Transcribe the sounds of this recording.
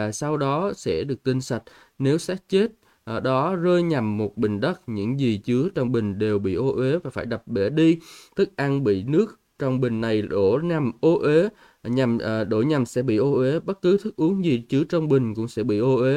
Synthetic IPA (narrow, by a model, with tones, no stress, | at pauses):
a˨˩sa˧wɗɔ˨˦sɛ̰˧˥ɗɨ˨˩ək̚ki˧ŋ̟sa˨˩k̚ | ne˨˦wsaː˦˥k̚t͡ɕe˦˥t̚ | ɗɔ˨˦zəː˧jɲa˨˩mːo˨˩t̚ɓï˨˩ŋ̟ɗə˦˥t̚ɲɨ̰˧˥ŋzi˨˩t͡ɕɨ˨˦ət͡ɕwŋ͡mɓï˨˩ŋ̟ɗe˨˩wɓḭ˧˨ʔo˧ʔwe˨˦vaː˨˩faː˧˩jɗa˨˩p̚ɓɛ˧˩ɗi˧t̪ɨ˦˥k̚ʔa˧nɓḭ˧˨nɨ˦˥ək̚ | t͡ɕɔ˧wŋ͡mɓï˨˩ŋ̟ːa˨˩jɗo˧˩na˨˩mʔo˧ʔwe˨˦ | ɲa˨˩mː˨˩ɗo̰˧˩ɲa˨˩msɛ̰˧˥ɓḭ˧˨ʔo˧ʔe˨˦ɓə˦˥t̚kɨ˨˦t̪ʰɨ˦˥k̚ʔu˨˦ənzi˨˩t͡ɕɨ˨˦ət͡ɕɔ˧wŋ͡mɓï˨˩ŋ̟kʊ̰˧˥ŋ͡msɛ̰˧˥ɓḭ˧˨ʔo˧ʔe˨˦